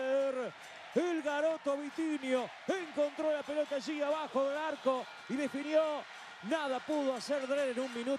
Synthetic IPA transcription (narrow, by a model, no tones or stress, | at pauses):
ɾ | elɣaɾot̪oaβit̪injo | eŋkõnt̪ɾolapelot̪aʒiaβaxoðelaɾko | iðefinjo | naðapuðoaseɾðɾeɾenuŋmĩnu